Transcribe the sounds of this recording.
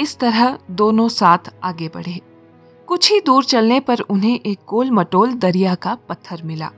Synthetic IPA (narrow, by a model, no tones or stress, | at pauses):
ɪst̪ɐɾəɦd̪oːnõsaːt̪ʰaːɡebɐ̰ɽ̤eː | kʊt͡ʃʰid̪uːɾt͡ʃɐlnepɐɾʊnɦẽʔeːk̚ɡoːlmɐʈoːld̪ɐɾijakapɐt̪ʰːəɾmɪla̰ː